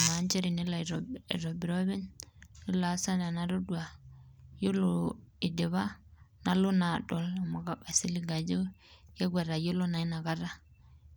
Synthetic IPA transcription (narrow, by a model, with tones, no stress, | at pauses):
ma˨˦nt͡ʃe˦ɾi˨ni˦la˨ɾɾo˨bi˨ɾo˦βi˦nni˦la˨˦sa˦na˨na˦ɾo˦du˨a˨jo˦lo˨i˨de˨βa˦na˦lo˦na˨ɗo˨la˨ma˨ka˦ɓa˨si˦li˦ɡa˨d͡ʒo˦je˦ɡʷa˨ɾa˨jo˦lo˦na˨i˦na˨ɡa˦ɾa˦